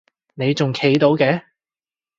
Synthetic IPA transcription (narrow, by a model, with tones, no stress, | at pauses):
ne˨˧jt͡sʊ˨ŋkʰe˨˥jt̪o˨˧wkɛː˧˥